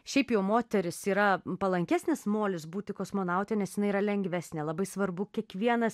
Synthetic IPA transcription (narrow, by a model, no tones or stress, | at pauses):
ʃʲɛɪpjɛʊmoːt̪ʲɛɾʲɪsiːɾɐpɐlˠɐŋʲkʲæːsʲnʲɪsmoːlʲɪsbuːt̪ʲɪkoːsmoːnɐʊt̪ʲɛnʲɛsjɪnɐɪiɾɐlʲɛŋʲɡʋʲæːsʲnʲeːlˠɐbɐɪsʋɐɾbʊkʲiɛkʋʲiɛnɐs